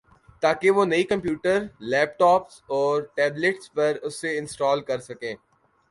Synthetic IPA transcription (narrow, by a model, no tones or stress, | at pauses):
t̪aːkeʋoːnɐikɐ̃mpjuːʈəɾlɛːp̚ʈɔːpsɔːɾʈɛːbleʈspɐɾʊsːeɪ̃nsʈɔːlkɐɾsɐkẽː